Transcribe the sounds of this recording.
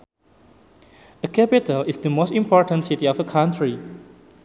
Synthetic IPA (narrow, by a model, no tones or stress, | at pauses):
əkʰɛpitəlisdəmostĩmpʰɔɹtə̃nsitiɔfəkʰãntʰɹi